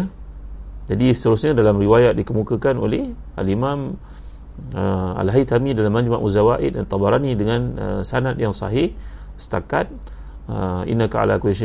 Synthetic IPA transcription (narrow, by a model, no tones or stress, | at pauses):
d͡ʒadisə̥t̪əɾusɲãdalamriwajat̪̚dikəmukakanoleh | a̰limãm | əa̰lɦajt̪amidalamːãɲd͡ʒma̰ʔuzawaʔɪ̰t̪̚ant̪ˤɑbaɾanidəŋãnə̰sanat̪̚jaŋsɑ̰ɦɪh | sə̥t̪akat̪̚ | əḭnaka̰a̰la̰kueʃ